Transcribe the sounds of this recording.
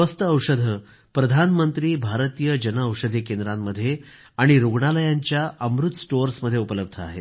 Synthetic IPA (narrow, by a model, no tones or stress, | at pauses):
əst̪əəwʂəd̪ʱə | pɾəd̪ʱanmənt̪ɾiːbʱaɾt̪ijəd͡ʑənaːwʂəd̪ʱikend̪ɾamːəd̪ʱːje | aɽ̃iɾuɡɳaləjaɲt͡ɕjaʔəmɾut̪sʈoɾsməd̪ʱːjeupələb̚d̪ʱəa̰ɦḛt̪